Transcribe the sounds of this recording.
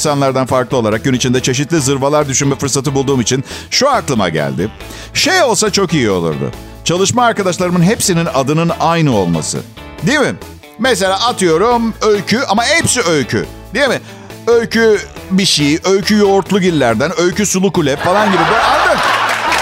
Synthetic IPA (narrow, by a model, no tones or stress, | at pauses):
sanlˠaɾd̪anfaɾklˠɯo̞aɾak̚ɟynit͡ʃʰind̪ɛt͡ʃʰe̞ʃ̬it̪lʲizɯɾvalˠaɾd̪yʃynmɛfɯɾsat̪ɯbulˠd̪uːmit͡ʃʰinʃuaɾk̪lˠɯma̰ɟæ̰lʲd̪ɪ | ʃejo̞lˠsat͡ʃʰo̞kijio̞lˠṵɾd̪ʊ̰ | t͡ʃʰalˠɯʃmaːɾkad̪aʃlˠaɾɯmɯnɦe̞psininad̪ɯnɯnajnɯo̞lˠma̰sɯ̰ | d̪ijemɪ | mes̬e̞lʲaːat̪ʰɯjo̞ɾumøjʲcʰyamaɦepsiøjcʰy̰ | d̪ijemɪ | øjcʰybiʃijiʔøjcʰyjoːɾt̪lˠuɟilʲːæɾd̪ænø̞jcʰysulˠukulʲɛpfalˠanɟibid̪ʲiajd̪a